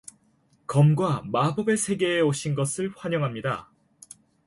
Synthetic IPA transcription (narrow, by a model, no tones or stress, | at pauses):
kʌmɡwamabʌbesʰe̞ɡe̞ːoɕʰinɡʌsʰɯɭɸwaɲʌŋɦamɲida̰